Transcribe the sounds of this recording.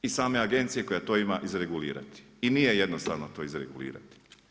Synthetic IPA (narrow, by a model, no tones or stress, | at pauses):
isaːme̞aɡe̞nt̪sije̞ko̞jat̪oːimaʔizɾe̞ɡulḭːɾa̰t̪i̥ | inije̞jed̪nost̪a̰ʋnot̪o̞ːizɾeɡulḭːɾa̰t̪i̥